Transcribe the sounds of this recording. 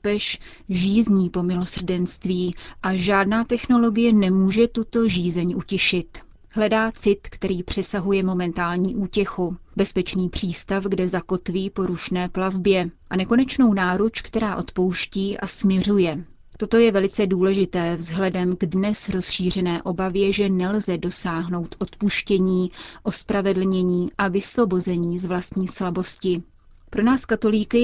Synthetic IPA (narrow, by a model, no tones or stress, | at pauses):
pɛʃ | ʒiːzɲiːpo̞mɪlo̞sr̩dɛnst̪viːʔaʒaːdnaːt̪ɛxno̞lo̞ɡɪjɛnɛmuːʒɛt̪ut̪o̞ʒiːzɛɲʔucɪʃɪt̪ | ɦlɛdaːt͡sɪt̪kt̪ɛɾiːpr̝̥ɛsaɦujɛmo̞mɛnt̪aːlɲiːʔuːcɛxubɛspɛt͡ʃniːpr̝̥iːst̪afɡdɛzako̞t̪viːpo̞ɾuʃnɛːplavbjɛʔanɛko̞nɛt͡ʃno̞wnaːɾut͡ʃkt̪ɛɾaːʔo̞t̪po̞wʃciːʔasmɲɛr̝ujɛ | t̪o̞t̪o̞jɛvɛlɪt͡sɛduːlɛʒɪt̪ɛːvzɦlɛdɛmɡdnɛsɾo̞sʃiːr̝ɛnɛːʔo̞bavjɛʒɛnɛlzɛdo̞saːɦno̞wt̪ʔo̞t̪puʃcɛɲiːʔo̞spɾavɛdl̩ɲɛɲiːʔavɪslo̞bo̞zɛɲiːzvlast̪ɲiːslabo̞scɪ | pɾo̞naːskat̪o̞liːkɪ